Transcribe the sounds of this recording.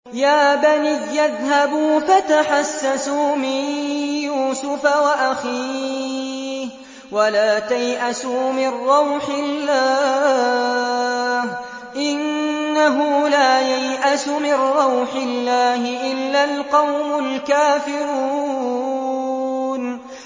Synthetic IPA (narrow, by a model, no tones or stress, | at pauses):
jaːbaniːaðhabuːfat̪aħasːasuːmɪjuːsʊfawaʔaxiː | walaːt̪ajʔasuːmɪrːɑwħɪlːaː | h | ʔɪnːaɦʊlaːjajʔasʊmɪnɾɑwħɪlːaːhɪʔɪlːalqɑwmʊlkaːfɪɾuː | n